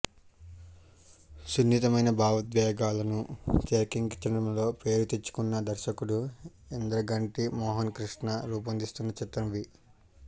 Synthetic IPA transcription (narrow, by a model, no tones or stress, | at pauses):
sunːit̪ɐmɐjnɐbʱaːʋɐt̪ʋɛːɡaːlɐnut͡ʃeːkiŋɡt͡ʃɐnɐmlo̞ːpe̞ːɾut̪e̞t͡ʃːu̥kunːɐd̪ɐɾʃɐkuɽu | end̪ɾɐɡɐɳʈimɔːɦɐnkɾiʂnɐɾuːp̬ɐnd̪ist̪unːɐt͡ʃit̪ɾɐmʋi